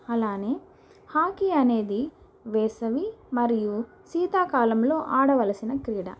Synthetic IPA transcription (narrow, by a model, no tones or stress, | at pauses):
ɐlaːne̞ː | haːkiɐne̞ːd̪i | ʋɛːsɐʋimɐɾiju | siːt̪aːkaːlɐmlo̞ːʔaːɽɐʋɐlɐsinɐkɾiːɽɐ̰